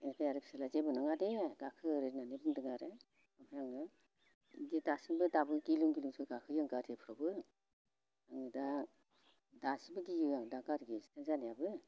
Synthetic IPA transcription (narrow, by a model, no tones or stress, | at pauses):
enpʰajaɾɯpʰi̥salazebɯnaŋadeɡakʰɯɾeɾnanebɯndɯŋaɾe | apʰajaŋɯ | ididasiŋbɯdabɯɡilɯŋɡiluŋsɯɡakʰɯjɯŋɡaɾepʰɯɾɔbɯ | aŋɯda | dasibɯɡijadaɡaɾɡisi̥tʰeŋzanijabɯ